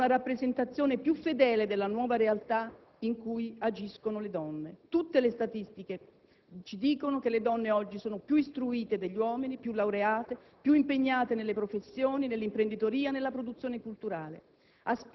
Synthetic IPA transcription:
naɾapːɾezent̪at̪sːjoːnepjufːed̪ɛːled̪elːanwɔːvaɾealt̪a | iŋkujad͡ʒiskonoled̪ɔnːet̪ut̪ːelest̪at̪ist̪ike | t͡ʃid̪iːkonokeled̪ɔnːeɔd͡ʒːisoːnopjuist̪ɾuiːt̪ed̪eʎːiwɔːminipjulːawɾeaːt̪e | pjuimpeɲːaːt̪enelːepɾofesːjoːninelːimpɾend̪it̪oɾiːanelːapɾod̪ut̪sːjoːnekult̪uɾaːlḛ | as

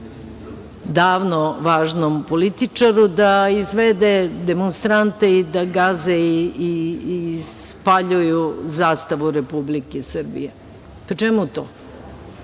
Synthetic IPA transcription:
d̪aːʋnoʋaːʒnompolit̪it͡ʂaɾud̪aizʋed̪ed̪emonst̪ɾant̪eid̪aɡazei | spaʎujuzaːst̪aʋuɾepublikesr̩bḭje | pt͡ʃɛmut̪oː

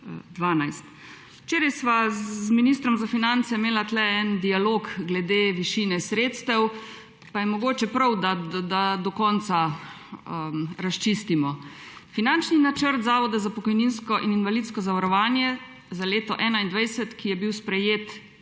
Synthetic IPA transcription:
d̪ʋaːnajst̪ | wt͡ʃeːɾajsʋazminiːst̪ɾɔmzafinant̪sɛmeːlat̪lɛɛnd̪ialoːɡɡlɛd̪eːʋiʃiːnɛsɾeːt̪st̪ɛw | pajɛmɔɡoːt͡ʃɛpɾawd̪ad̪ad̪ɔkɔnt̪sa | ɾast͡ʃist̪imɔfinant͡ʃninat͡ʃəɾt̪zaːʋɔd̪azapɔkɔjninskɔʔininʋalit̪skɔzaʋaɾɔʋaːnjɛ | zaleːt̪ɔʔɛːnaind̪ʋajsɛt̪kijɛbiwspɾɛjeːt̪

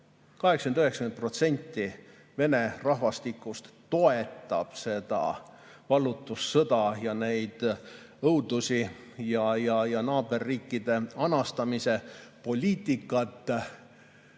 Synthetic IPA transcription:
kɑɦeksɑkend̪yheksɑ̥kmenpro̞t̪se̞nʲt̪ːi | ve̞ne̞rɑɦvɑst̪ikːˑust̪ːo̞e̞t̪ːˑɑ̰b̥se̞d̪̥ɑ̰ | vɑlːˑut̪ːˑusːɤd̪̥ɑjɑne̞jd̪̥ | ɤuwd̪̥usi | jɑjɑjɑnɑːbe̞rːiːkːid̪e̞ɑnɑst̪ɑmise̞po̞lʲiːt̪ːˑikːˑɑt̪ːˑ

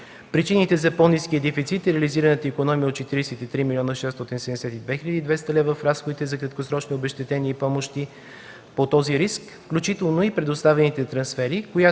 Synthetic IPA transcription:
pɾit͡ʃinit̪ɛzɐponiskiəd̪ɛfit̪sit̪ɾɛliziɾənət̪əikonɔmijəot̪̚t͡ʃɛt̪iɾisɛt̪it̪ɾimilʲiɔnəʃɛst̪ɔt̪insɛd̪ɛsɛt̪id̪vɛxilʎʲəd̪iːd̪vɛst̪əlɛvəfɾasxod̪it̪ɛzɐkɾət̪kosɾɔt͡ʃniobɛʃt̪ɛt̪ɛniəipɔmoʃt̪i | pot̪ɔziɾisk | fklʲut͡ʃit̪ɛlˠnoipɾɛd̪ʊst̪avɛnit̪ɛt̪ɾɐnsfɛɾikoja

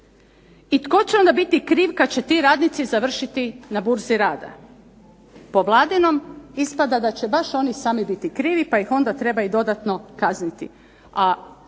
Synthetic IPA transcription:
it̪ko̞t͡ɕeo̞nd̪abit̪ikɾiːʋkad̪̚t͡ɕe̞t̪iːɾaːd̪nit̪sizaʋr̩ʃit̪inabuɾziɾaːd̪a̰ | poʋlˠaːd̪ino̞mispad̪ad̪at͡ɕebaʃo̞nisaːmibit̪ikɾiːʋipaixo̞nd̪at̪ɾe̞bajud̪o̞d̪at̪no̞kaznit̪i | a

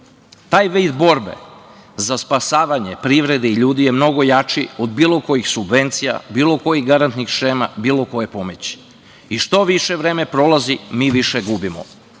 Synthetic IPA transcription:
t̪aːjʋid̪bo̞ɾbe̞̰zaspasaːʋaɲe̞pɾiʋɾe̞d̪eiʎuːd̪ije̞mno̞ɡo̞jat͡ʃiod̪biːlˠo̞ko̞jixsubʋe̞nt̪sija̰biːlˠo̞ko̞jiɣɡaɾant̪nixʃeːma̰biːlˠo̞ko̞jepo̞met͡ɕi̥ | iʃt̪o̞ʋiʃeʋɾeːme̞pɾo̞lazimiːʋiʃeɡubimo̰

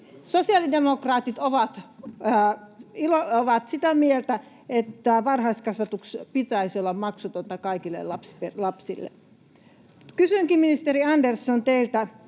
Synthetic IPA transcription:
sosiɑlidemokrɑːt̪it̪oʋɑt̪ː | ilooʋɑt̪sit̪æmielt̪æ | et̪ːæʋɑrhɑiskɑsʋɑt̪ukspit̪æisiolːɑmmɑksut̪ont̪ɑkɑikilːḛlːɑpspelɑpsilːḛ | kysyŋkiminist̪eriɑndersːont̪eilt̪æ

